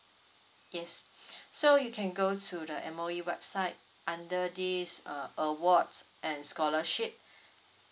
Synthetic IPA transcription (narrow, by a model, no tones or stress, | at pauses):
jɛsːojukʰɛ̃nɡotʰudəʔɛ̰̃moiwɛbsaɪt̚ | ʔãndədisʌʔəwɔdsʔɛ̃nskɔləʃip̚